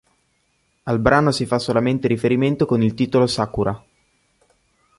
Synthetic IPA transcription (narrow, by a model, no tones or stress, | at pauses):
albɾaːnosifasːolament̪eɾifeɾiment̪okonilt̪iːt̪olosakuɾa